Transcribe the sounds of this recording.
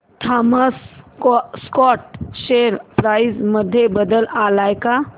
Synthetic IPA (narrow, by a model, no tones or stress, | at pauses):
ʈ̪ʰaːməs | skɔːʈʃeɾpɾaːɪzməd̪ʱːjebəd̪əlaːlaeka